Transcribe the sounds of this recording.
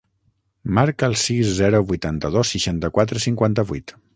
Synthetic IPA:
maɾkəːlˠsiszɛɾuβujt̪ant̪əðosːiʃant̪əkwat̪ɾəsiŋkwant̪əβṵjt̪

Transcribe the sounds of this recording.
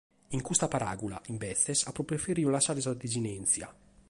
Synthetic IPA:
iŋkust̪apaɾa̰ːɡula̰ʔimbɛθːɛsapːɾopɾefeɾiːolaʃaːɾesad̪id͡ʒinɛnt̪sja̰

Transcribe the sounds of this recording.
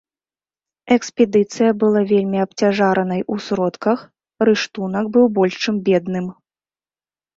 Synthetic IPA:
ɛkspʲɛd̪ɨt̪sɨjɐbɨlˠavʲelʲmʲiɐp̚t͡sʲaʐaɾɐnɐjʔusɾɔt̪kɐx | rɨʂt̪unɐkbɨwbɔlʲʂt͡ʂɨmbʲɛd̪nɨm

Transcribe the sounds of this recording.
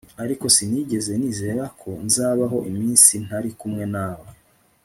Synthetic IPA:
aɾiko̞sin̥iːɟe̞ze̞niːze̞ːɾakʰo̞nzaːβaɦo̞ʔimiːnsin̥aɾikumŋe̞naːwe

